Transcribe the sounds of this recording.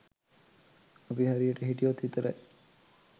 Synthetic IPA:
ɐpiɦaɾijəʈəɦiʈijot̪ːit̪əɾa̰ʔ

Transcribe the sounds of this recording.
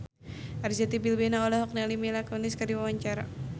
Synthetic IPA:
ʔarzat̪ibilbɛnaɔlɔɦɔk̚nalimilakɔniskardiwawaɲt͡ʃaɾa̰

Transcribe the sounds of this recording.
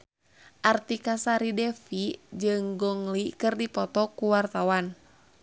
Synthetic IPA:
ʔart̪ikasaɾidɛfid͡ʒɨŋɡɔŋlikɨrdipɔt̪ɔkuwart̪awan

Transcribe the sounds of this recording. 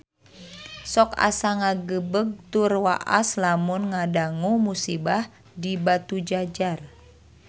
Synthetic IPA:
sɔka̰saŋaɡəbəɡ̚t̪urwa̰ʔa̰slamunŋadaŋumusibah | dibat̪ud͡ʒad͡ʒar

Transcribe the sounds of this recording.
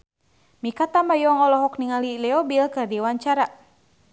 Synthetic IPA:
mikat̪ambajɔŋɔlɔɦɔkniŋalilɛɔbilkɨrdiwaɲt͡ʃaɾa

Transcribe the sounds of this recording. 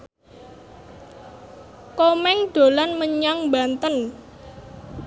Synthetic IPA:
komɛŋɖ̪̥o̤lanməɲaŋbant̪ən

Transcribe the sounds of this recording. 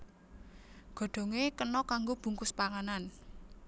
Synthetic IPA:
ɡ̥ɔ̤ɖ̪̥ɔ̤ŋekənɔkaŋɡob̥ṳŋkʊspaŋanan

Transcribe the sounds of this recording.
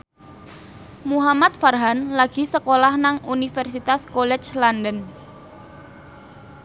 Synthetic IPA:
muɦamat̪̚farɦanlaɡ̥i̤səkolahnaŋunifɛrsit̪askolɛt͡ʃlandən

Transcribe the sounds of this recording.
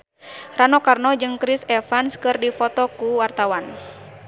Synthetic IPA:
ranɔkarnɔd͡ʒɨŋkɾisɛfanskɨrdifɔt̪ɔkuwart̪awan

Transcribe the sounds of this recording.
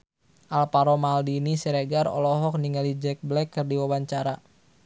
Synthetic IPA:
ʔalpaɾɔmaldinisɛɾeɡaɾɔ̰lɔɦɔk̚niŋalid͡ʒɛk̚blɛkːərdiwawaɲt͡ʃaɾa

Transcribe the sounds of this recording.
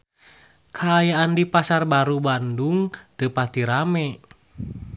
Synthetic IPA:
kʰaːjaandipasarbaɾubanduŋt̪əpast̪iɾamɛ

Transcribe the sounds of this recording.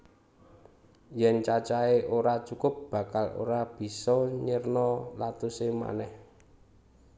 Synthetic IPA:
jɛnt͡ʃat͡ʃaeʔoɾat͡ʃukʊp̚b̥ä̤kalo̰ɾab̥i̤sɔɲərnɔlat̪usema̰nɛh

